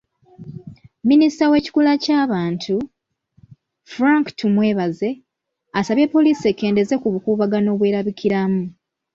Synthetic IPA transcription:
ministawe̞ːci̥kulacaːβaːntʰu | fɾaŋktʰumwe̞ːβaze̞ | asaβje̞pːo̞liːsiekːe̞ːnde̞ze̞kuβukuːβaɡano̞ːβwe̞ːɾaβikiɾamu

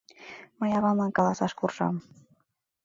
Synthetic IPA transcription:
mɤjɑβɑmɑnkɑlˠɑsɑʃkurʒɑ̰m

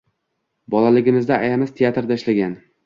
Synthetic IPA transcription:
bɒlalɪɡʲɪmɪzd̪aajamɪst̪ʰeat̪ɾd̪aɪʃlaɡʲan

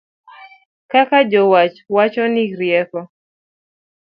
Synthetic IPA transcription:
kakad͡ʒɔwat͡ʃwat͡ʃɔnɪɾjɛkɔ

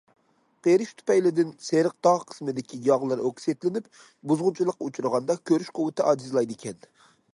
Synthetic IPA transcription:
qeɾɪʃt̪ʰu̥pɛjlɪd̪ɪnseɾɨq̚d̪ɑʁqʰə̥smɪd̪ɪkʲʰijɑʁlˠɨɾokset̪lɪnɪp | buzʁʊnt͡ʃʰilˠəqut͡ʃʰuɾɨʁɑnd̪ɑkʲʰøɾyʃqʰʊwɨt̪ʰɪʔɑːd͡ʒizlˠɑjd̪ɪkʲʰɛn

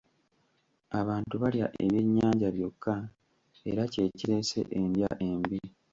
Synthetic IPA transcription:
aβaːntuβalja̰ʔe̞̰βje̞ɲːaːɲɟaβjo̞kʰːa | eɾace̞ciɾe̞se̞̰ʔendjaʔembi

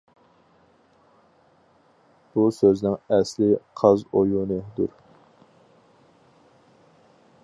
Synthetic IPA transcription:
b̥usøznɪŋɛslɪqʰɑzojunɨd̪ṵɾ

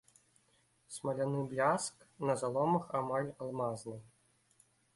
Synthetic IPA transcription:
smɐlʲanɨblʲask | nɐzalˠɔmɐxamalʲalˠmaznɨj

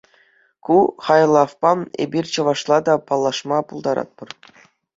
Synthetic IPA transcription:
kuχɑjlˠɑfpɑmḛbʲirʲt͡ɕɤ̆ʋɑʂlˠɑd̪ɑpɑlˠːɑʂmɑpulˠd̪ɑɾɑ̰t̪̚pɤ̆r

